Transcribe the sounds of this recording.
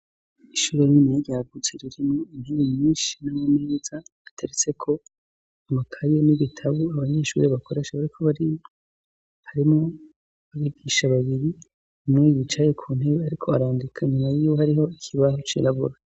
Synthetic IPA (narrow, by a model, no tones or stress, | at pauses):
iʃuːɾe̞nimedjaɡut͡seɾiɾimoiɲiβimɲiːnʃi̥namomeːz̥aːtʰeɾet͡se̞kʰo̞ | amakʰajeniβitʰaβuaβaɲe̞ʃṵːɾe̞βako̞ɾe̞ːʃaβaɾikʰo̞βaɾi | haɾimŋo | βaβibɡiːʃaβaβiɾiː | mŋe̞jit͡ʃaje̞kʰuːnheβeaɾikʰo̞aɾaːndikʰaɲumajiːwohaɾiɦo̞ikʰiβahot͡ʃḭɾaβṵɾa